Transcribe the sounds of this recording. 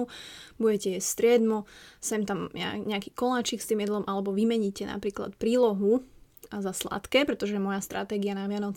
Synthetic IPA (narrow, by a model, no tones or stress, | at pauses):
buɟɛcɛjɛst̪ɾɪɛd̪mɔsɛmt̪am̰ɲɛakiːkɔlaːt͡ʃiːkst̪iːmjɛd̪lɔmʔalɛbɔʋimɛɲicɛna̰pɾiːkla̰t̪pɾiːlɔɦu | zasla̰t̪kɛːpɾɛt̪ɔʒɛmɔjast̪ɾa̰t̪ɛːɡianaʋɪanɔt͡s